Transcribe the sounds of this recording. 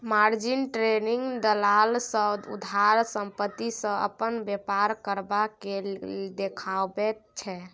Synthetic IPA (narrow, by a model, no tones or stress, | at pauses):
maɾd͡ʒinʈɾeniŋɡd̪əlalsəd̪ṵd̪ʱaɾsəmpət̪ːisə̃ə̰pənbɛpaɾkəɾbakeld̪ekʰabɛt͡ʃʰɛ